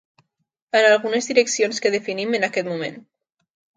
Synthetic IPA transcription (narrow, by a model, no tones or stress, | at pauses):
ənalˠɣunəzðiɾəksionskəð̞əfinimənakɛt̪mumḛ̃n